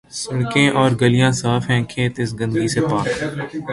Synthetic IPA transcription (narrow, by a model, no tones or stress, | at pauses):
sɐɽkẽːʔɔːɾɡəlijãːsaːfɦɛ̃kʰeːt̪ɪs̬ɡɐ̃nd̪ɡisepaːkː